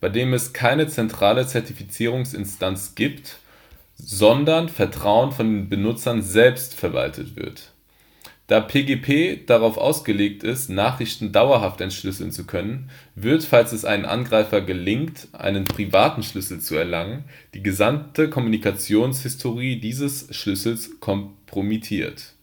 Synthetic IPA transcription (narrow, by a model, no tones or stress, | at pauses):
b̥aɪdeːmɛskʰaɪnət͡sɛntʁ̥aːlət͡sɛɐtifit͡siːʁ̞ʊŋsɪ̰nstʰant͡sɡ̥iːpt | zɔndɐnfɛɐtʁ̥aʊənfɔndeːnbənʊt͡sɐnzɛlpstfɛɐva̰ltʰə̰tv̥ɪ̰ɐt | d̥aːpʰeːɡeːpʰeːd̥aʁaʊfʔa̰ʊsɡ̥əleːk̚tɪstnaːχʁ̥ɪçtn̩daʊɐɦaftɛntʃlʏsl̩nt͡sukʰœnənvɪɐtfalsɛsʔa̰ɪnənʔa̰nɡʁaɪfɐɡəlɪŋkt | ʔa̰ɪnənpʁ̥ivaːtn̩ʃlʏsl̩t͡suɛɐlaŋən | d̥iːɡəzamtʰəkʰɔmunikat͡sjoːnshɪstʰoʁiːdiːzəsʃlʏsl̩skʰɔmpʁ̥omitʰiːɐt